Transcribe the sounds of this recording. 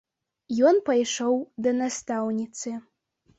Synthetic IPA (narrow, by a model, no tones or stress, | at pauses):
jɔnpajʂowd̪ɐnast̪awnʲit̪sɨ